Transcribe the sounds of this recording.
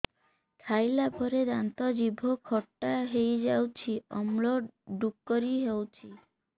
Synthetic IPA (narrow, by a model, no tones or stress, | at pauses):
kʰajlabʱɔɾed̪ant̪ɔd͡ʒibʱokʰɔʈːaɦejd͡ʒawt͡ʃʰiɔ̰mloɖukːoɾiɦewt͡ʃʰi